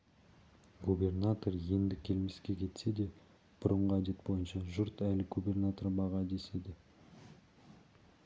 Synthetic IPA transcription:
ɡube̞rnat̪o̞ɾje̞nd̪ɪkʲʰe̞lme̞skʲe̞kʲʰe̞t̪se̞d̪e̞ | b̥ʊɾəɴʁəæd̪e̞t̪̚bo̞jənʃɑʒʊɾt̪ælɪɡube̞rnat̪orbɑʁɑd̪e̞se̞d̪ɪ

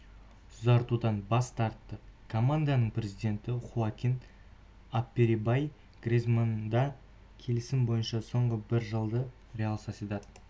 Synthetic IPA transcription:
ʊzɑɾt̪ud̪ɑnbɑst̪ɑɾt̪ːəkʰomand̪anəɴprʲe̞zijd̪e̞nt̪ɪχuakʲin | apːeɾibaj | ɡ̥rʲezmand̪ɑ | kʲʰe̞lɪsɪmbo̞jənʃɑso̞ɴʁəbɪɾʒəlˠd̪ə | rʲealˠsasit̪ɑt̪

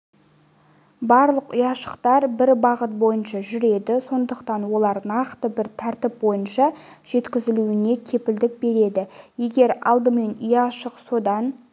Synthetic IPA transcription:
bɑɾlˠəqʊjɑʃə̥qt̪ɑɾbɪɾbɑʁət̪̚bo̞jənʃɑʒʏɾe̞d̪ɪso̞nd̪əqt̪ɑnwo̞lˠɑɾnɑqt̪əbɪɾt̪ʰæɾt̪ɪp̚bo̞jənʃɑ | ʒ̥e̞t̪kʲɪzɪluɪne̞kʲʰe̞pɪld̪ɪk̚be̞ɾe̞d̪ɪje̞ɡʲe̞ɾɑ̰lˠd̪əme̞nʏjɑʃəqso̞d̪ɑn

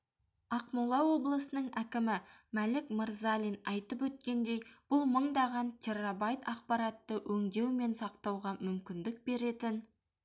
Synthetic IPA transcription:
ɑqmulˠɑwo̞blˠəsənəɴækʲɪmɪmælɪkməɾzalʲinɑjt̪əpwɵt̪̚kʲe̞nd̪e̞jb̥ʊlˠməɴd̪ɑʁɑnt̪ʲʰerabɑjt̪ɑq̚pɑɾɑt̪ːəʔɵŋd̪e̞wme̞nsɑq̚t̪ɑwʁɑmʏmkʲɪnd̪ɪk̚be̞ɾe̞t̪ɪn

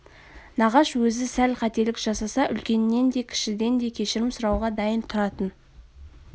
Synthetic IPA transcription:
nɑʁɑʃwɵzɪsælqʰɑt̪e̞lɪkʒ̥ɑsɑsɑʔʏlkʲe̞nːe̞nd̪e̞kʲʰɪ̥ʃɪd̪e̞nd̪e̞kʲʰe̞ʃɪɾɪmsʊɾɑwʁɑd̪ɑjənt̪ʰʊɾɑt̪ən

